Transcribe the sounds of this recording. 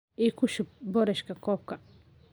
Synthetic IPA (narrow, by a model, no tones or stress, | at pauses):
ikʊʃʊb̚bɔɾɛʃkɐkɔːp̚kɐ